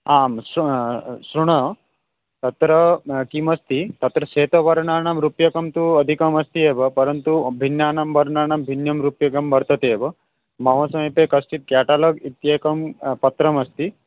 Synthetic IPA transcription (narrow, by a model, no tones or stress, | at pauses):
aːms | sɾuɳɐ | t̪ɐt̪ɾɐkimɐst̪it̪ɐt̪ɾɐseːt̪ɐʋɐɾɳaːɳɐmɾupjɐkɐmt̪uɐd̪ʱikɐmɐst̪ieːbɐpɐɾɐnt̪ubʱinjaːɳɐmbɐɾɳaːɳɐmbʱinjɐmɾupjɐkɐmbɐɾt̪ɐt̪eːbɐ | mɐʋɐsɐmɐpekɐsʈit̪̚kjaːʈaːloɡit̪jekɐmpɐt̪ɾɐmɐst̪i